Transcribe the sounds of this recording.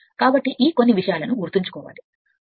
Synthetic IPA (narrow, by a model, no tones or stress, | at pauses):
kaːbɐʈːiʔiːko̞nːiʋiʂɐjaːlɐnuɡuɾt̪iɲt͡ʃu̥kɔːʋa̰ːli